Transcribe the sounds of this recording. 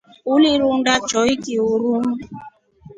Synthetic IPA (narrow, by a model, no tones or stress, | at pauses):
uliɾundat͡ʃɔikiuɾunu